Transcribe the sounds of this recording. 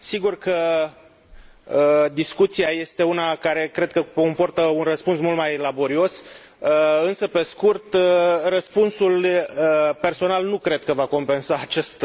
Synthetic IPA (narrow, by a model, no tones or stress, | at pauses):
siɡurkə | d̪iskut̪siaje̞st̪e̞unakaɾe̞kɾe̞d̪̚kəkompo̞rt̪əunrəspunsmult̪majlabo̞ɾio̞s | əɨnsəpe̞skurt̪rəspunsuləpe̞rso̞nalnukɾe̞d̪̚kəvako̞mpe̞nsaːt͡ʃest̪